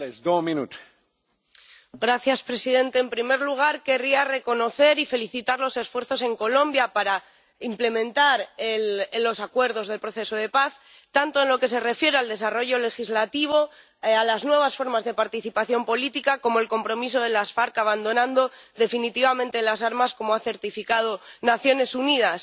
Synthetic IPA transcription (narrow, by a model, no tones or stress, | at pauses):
esɡominut̪ | ɡɾaθjaspɾe̞siðe̞nt̪e̞ːmpɾime̞ɾluɣ̞aɾke̞riare̞ko̞no̞θe̞ɾife̞liθit̪aɾlo̞se̞sfwe̞ɾθo̞se̞ŋko̞lõ̞mbjapaɾa | imple̞mẽ̞nt̪aɾellːo̞sakwe̞ɾðo̞zð̞e̞lpɾo̞θe̞so̞ð̞e̞paθ | t̪ant̪o̞enloke̞s̬e̞re̞fje̞ɾeald̪e̞saro̞ʝo̞le̞xizlat̪iβ̞o̞ | alaznwe̞β̞asfo̞ɾmazðe̞paɾt̪iθipaθjo̞mpo̞lit̪ikako̞moelko̞mpɾo̞miso̞ð̞e̞lasfaɾkaβand̪o̞nãnd̪o̞ðe̞finit̪iβamẽnt̪elas̬aɾmasko̞moaθe̞ɾt̪ifikað̞o̞naθjo̞ne̞sunið̞as